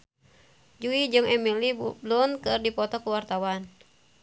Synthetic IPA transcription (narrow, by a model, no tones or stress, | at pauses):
d͡ʒuid͡ʒɨŋɛmiliblunkɨrdipɔt̪ɔkuwart̪awan